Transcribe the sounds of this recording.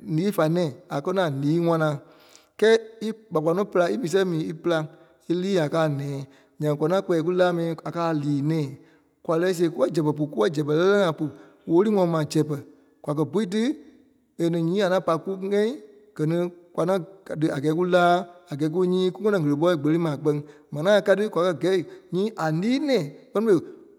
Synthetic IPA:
liː˨˦fa˨nɛ̃ː˨a˨kɜ˦nã˨liː˨˦ŋã˧nã˨ | kɛː˦i˦k͡pa˨k͡pʷa˨nɔ̃˦pɨ˧la˧i˦mĩː˨s̬ɛ˦mĩː˨˦i˦pɨ˧la˧ | i˦liː˦a˨kaː˨˦nɛ̃ː˨˦ | ɲã˨ŋ˨kʷa˨nã˦k͡pɛː˨˧k̬u˦laː˦mɛ̃˨˧˦a˨kaː˦˨liː˨˦nɛ̃ː˨ | kʷa˨lɛ˧˦s̬e˧˦ku˦ɛ˦d͡ʒɛ˨p̬ɛ˨p̬u˨ku˦wɛ˦d͡ʒɛ˨p̬ɛ˨lɛ˦lɛ˦ŋã˨˦pu˨ | woː˨˦li˦ŋɔ̃˧˨˧mãː˨d͡ʒɛ˨pɛ˨ | kʷa˨k̬ɜ˧bu˨˦i˦t̬ɨ˦ | e˨nĩ˨ɲĩː˨˦a˨nã˨˦pa˧ku˦ŋɛ̃˦ĩ˦ | ɡ̥ɜ˨nĩ˧kwa˨nã˦˨tɨ˧a˨ɡɛː˨˦k̬u˦laː˦a˨ɡɛː˨˦k̬u˦ɲĩː˦ku˦ŋɔ̃˦nɔ̃˨ə˨lə˨p̬ɔ˦i˦˨ɡ͡bə˨li˦mãː˨k͡pɜ˧ŋ˦ | mɛ̃˨n˨˦ãː˦˨ka˧˦tɨ˦kʷwa˨kɜ˧˨ɡɛ˨˦i˨ɲĩː˦ʔa˨liː˦nɛ̃ː˨k͡pɜ˦nɔ̃˦fe˨

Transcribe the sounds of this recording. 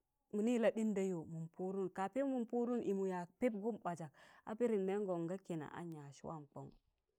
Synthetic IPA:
mu˨ni˦˨la˨ɗi˦nda˦jo˨mu˨mpu˦ɾu˦nka˨pe˦mu˨mpu˦ɾu˦nʔi˨mu˨ja˨pe˦p̚ɡu˦mba˨d͡ʒa˨k̚a̰˦pe˦ɾi˨nːe˦ŋ˦ɡo˨ŋɡa˦ke˨na̰˨ʔa̰˦ɲa˨ʃi˦wʔa̰˦˨mk͡po̰˦ŋ˦

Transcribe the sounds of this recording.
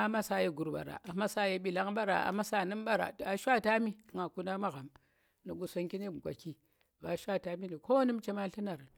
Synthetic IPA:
a˨ma˦sa˨˦je˦ɡu˨ɾba̰˨ɾa̰˨ʔa˨ma˦sa˦je˦ɓi˨la˦ŋɓa˦ɾa̰˨a̰˨ma˦sa˦˨nɨ˦mɓa˦ɾa̰˨a˨ʃʷa˦˨ta˦mi˦˨ŋa˨ku˦na˦ma˦ɣa˨m | ni˨ɡu˨so˦ŋki˦ni˦m˨ɡʷa̰˨ki˦ | ba˨˦ʃʷa˦˨ta˦mi˦ni˨ko˦nɨ˦mt͡ʃe˦ma˦ɬi˦na˨ɾ

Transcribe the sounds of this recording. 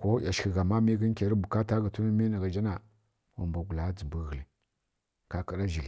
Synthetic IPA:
ko˦ja˨ʃi˨ɣa˨ma˦mi˦ɡi˦n˦kʲe˨ɾi˦bu˨ka˦ta˦ɡa˨tu˦na˦mi˦na˨ɡa˨d͡ʒa˦na˨ | wa˨mba˨ɡu˨la˨˦d͡zi˨mbu˦ɣə˨li˨ | ka˦ka˨ɾa˦ʒi˨l

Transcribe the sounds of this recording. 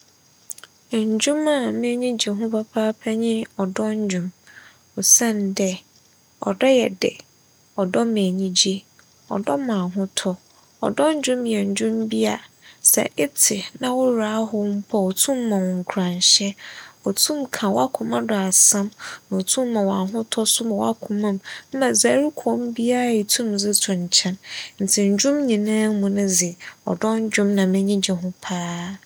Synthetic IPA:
ɲ̩˨d͡ʑũ˦mã˦˨mẽ˦ɲĩ˦d͡ʑi˨ɦʊ̃˦pʰa˦pʰaː˦pʰɛ˦ɲɪ̃˦ɔ˨dɔ˦ɲ˦d͡ʑũ˨m | ɔ˨sɛ̃˦ndɛ˦ | ɔ̰˨dɔ˦jɛ˨dɪ̰˨ | ɔ˨dɔ˦mẽ˨ɲĩ˦d͡ʑi˦ | ɔ̰˨dɔ˦mã˨ɦʊ̃˦tʰɔ˦ | ɔ̰˨dɔ̃˦ɲ˦d͡ʑᶣũ˦mjɛ˨ɲ̩˨d͡ʑũ˦mbi˦a˨sɛ̰˨ʔɛ˦tʰɪ˨nã˨wʊ˦ɾaː˨˦ɦʊ˦m̩˦pʰɔ˨ɔ˨tʰũ˦mː˦ã˨wɔ̃˨ŋ˨kʰɾã˨ɲɕɛ˦ɔ˨tʰũ˦mkʰã˨wa˦kʰʊ̃˨mã˦dɔ˨a˨sã˦mnã˨o˨tʰũ˦mː˦ã˨wa˨ɦʊ̃˦tʰɔ˦sʊ˦mã˨wa˦kʰʊ̃˨mã˨mm̩˦mã˨za˨˦ɾi˦kʰɔ̃˦m˦bi˦a˦˨i˨tʰũ˦md͡zɪ˦tʰʊ˨ɲ̩˨t͡ɕʰɛ̃˦nn̩˨tʰɪ˨ɲ̩˨d͡ʑʊ̃˦mɲĩ˨nã˦mũ˨nʊ̃˦d͡zɪ˨ɔ̰˨dɔ̃˦n˦d͡ʑᶣʊ̃˦mnã˨mɪ̃˦ɲĩ˦d͡ʑɛ˨ɦʊ̃˦pʰaː˦

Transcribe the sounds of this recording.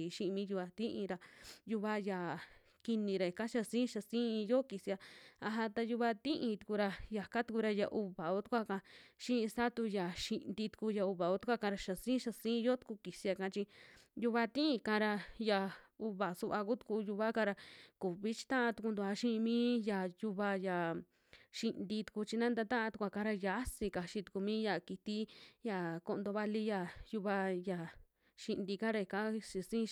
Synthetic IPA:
ʃĩ˦ʔi˧mĩː˦ju˧βa˧t̪ĩ˦ʔĩ˧ɾa˧ju˧βa˧ja˨ | ki˧nĩ˧ɾa˨i˨ka˦ʃa˧sĩː˦ʃa˧sĩː˦i˧jo˦ki˨si˧a˧a˧ɦa˧t̪a˧ju˧βa˧t̪ĩ˦ʔĩ˧t̪u̥˧ku˧ɾa˧ja˨ka˦t̪u˧ku˧ɾa˧ja˨˧ʔu˧βa˨o˦t̪u̥˦˧kʷa˦˧kã˧ʃĩ˦ĩ˧sa˦t̪u˧ja˨ʃi˧ʔnd̪i˧t̪u̥˧ku˧ja˧u˧βa˨o˦t̪u˦kʷa˦˧kã˧ɾa˧ʃa˨sĩː˦ʃa˧sĩ˦˧jo˦t̪u̥˧ku˧ki˨si˧a˧kã˧˦t͡ʃi˧ju˧βa˧t̪ĩ˦ĩ˧kã˧ɾa˧ja˨u˧βa˨su˧βa˧ku˦t̪u̥˧ku˧ju˧βa˦kã˧ɾa˧ku˨βi˦t͡ʃi̥˧t̪ã˦ʔã˧t̪u˧ku˧nd̪u˧˨a˧ʃĩ˦˧mĩː˦ja˨ju˧βa˧ja˨ | ʃi˧nd̪i˧t̪u̥˧ku˧t͡ʃi˧nã˦nd̪a˧t̪ã˦ʔã˧t̪u˧kʷa˧kã˧ɾa˧ja˨˦si˧ka˨ʃi˧t̪u̥˧ku˧mĩ˦ja˨ki˧t̪i˦ja˨ko˧nd̪o˧βa˧li˧ja˧˨ju˧βa˧ja˨ | ʃi˧nd̪i˧kã˦ɾa˧i˨kã˦˧ʃi˧sĩ˦

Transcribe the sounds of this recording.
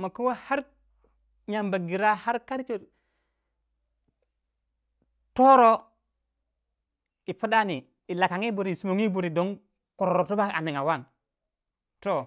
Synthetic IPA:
ma˨ku˦wa˦ha˦ɾ | ɲa˨mba˨ɡi˨ɾa˦ha˦ɾka˦ɾt͡ʃo˨ | to˦ɾo˦ | i˨pu˦da˦ni˨ | i˨la˨ka˨ŋi˦bu˨ɾi˨su˨mo˨ŋi˦bu˨ɾi˨do˦n | ko˨ɾo˨ɾo˨to˦ba˦a̰˨ni˨ŋa˨wa˦ŋ | to˦˨

